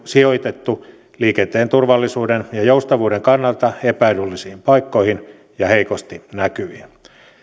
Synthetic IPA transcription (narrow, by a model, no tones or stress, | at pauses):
sioit̪et̪ːu | liːkent̪eːnt̪urʋɑlːisuːdenjɑjoust̪ɑʋuːdeŋkɑnːɑlt̪ɑepæilylːisiːmpɑikːoihin | jɑheikost̪inækyʋin